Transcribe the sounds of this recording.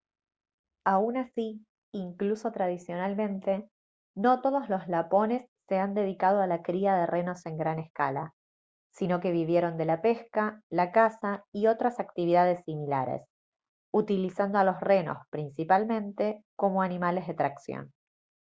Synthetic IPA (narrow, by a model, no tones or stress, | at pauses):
aunasiː | ŋkluso̞t̪ɾað̞isjo̞nalmẽ̞nt̪e̞ | no̞t̪o̞ðo̞zlo̞zlapo̞ne̞sːe̞and̪e̞ð̞ikað̞oalakɾiaðe̞rʔe̞no̞se̞ŋɡɾane̞ska̰la̰ | sino̞ke̞β̞iβje̞ɾo̞nd̪e̞lape̞skalakasaio̞t̪ɾasakt̪iβ̞iðaðesːimila̰ɾḛs | ut̪ilisand̪oalo̞sre̞no̞̰spɾinsipalmẽ̞nt̪e̞ko̞mo̞animale̞zðe̞t̪ɾaksjo̰n